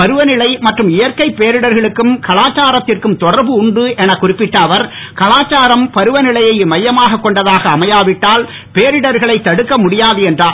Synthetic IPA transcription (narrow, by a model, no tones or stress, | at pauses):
pɐɾɯʋɐnɪɭɐɪmɐʈrɯmɪjɐɾkɐɪpːeːɾɪɽɐɾɣɐɭɯkːɯmkɐɭaːt͡ʃːaːɾɐt̪ːɪrkɯmt̪ɔɽɐɾbɯʊɳɖɯʔɛnɐkʊrɪpːɪʈːɐʋɐɾ | kɐɭaːt͡ʃːaːɾɐmpɐɾɯʋɐnɪɭɐjɐɪmɐjːɐmaːɣɐkːɔɳɖɐðaːɣɐːmɐjaːʋɪʈːaːl | peːɾɪɽɐɾɣɐɭɐɪt̪ːɐɽɯkːɐmʊɽɪjaːðɯɛndraː